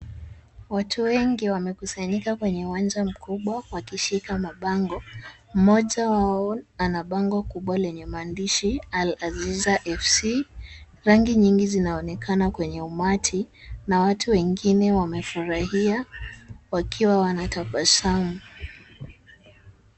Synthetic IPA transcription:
watʰuwɛŋɡiwamɛkusaɲikakwɛɲɛuwand͡ʒam̩kʰuɓwawakiʃikamaɓaŋɡɔ | m̩mɔʄawaɔanaɓaŋɡɔkuɓwalɛɲɛmandiʃialazizaʔɛfsi | ɾaŋɡiɲiŋɡizinaɔnɛkʰanakwɛɲɛumatʰinawatʰuwɛŋɡinɛwamɛfuɾahia | wakʰiwawanatapasamu

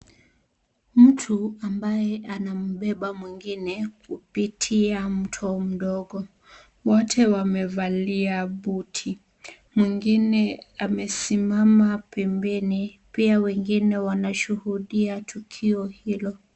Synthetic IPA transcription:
m̩tʰuambajɛʔanam̩ɓɛɓamwiŋɡinɛkupitʰiam̩tʰɔm̩ɗɔɠɔ | wɔtʰɛwamɛvaliaɓutʰi | mwiŋɡinɛamɛsimamapɛmbɛnipiawɛŋɡinɛwanaʃuhuɗiatʰukʰiɔhilɔ

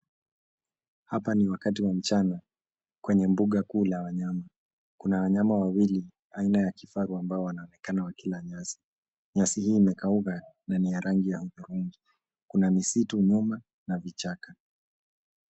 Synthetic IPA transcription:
hapaniwakatiwam̩t͡ʃana | kwɛɲɛmbuɠakuːlawaɲama | kunawaɲamawawili | ainajakifaɾuambaɔwanaɔnɛkanawakilaɲasi̥ | ɲasihiːmɛkaukananijaɾʔaŋɡijahuðuɾuŋɡi | kunamisituɲuma | navit͡ʃaka

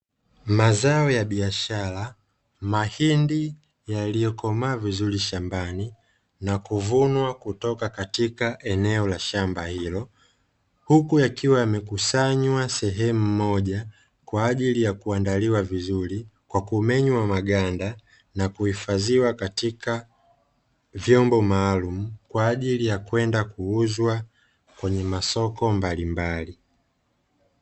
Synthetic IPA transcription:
mazaɔjaɓiaʃaɾa | mahindi | jalijɔkɔmaːvizuɾiʃambani | nakuvunwakutɔkakatikaʔɛnɛɔlaʃambahilɔ | hukujakiwajamɛkusaɲwasɛɦɛmumɔʄa | kwaːʄilijakuandaliwavizuɾikwakumɛɲwamaɠanda | nakuhifaziwakatika | vjɔmbɔmaːlumukwaːʄilijakwɛndakuuzwa | kwɛɲɛmasɔkɔmbalimbali

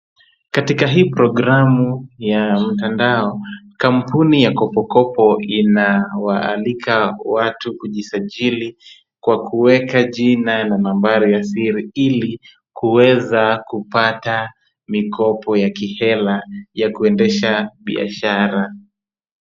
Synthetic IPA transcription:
katikaɦiːpɾɔɡɾamujam̩tandaɔkampunijakɔpɔkɔpɔinawaːlikʰawatuuʄisaʄili | kwakuwɛkaʄinanamambaɾijasiɾiili | kuwɛzakupata | mikʰɔpɔjakihɛlajakuɛndɛʃaɓḭa̰ʃaɾa

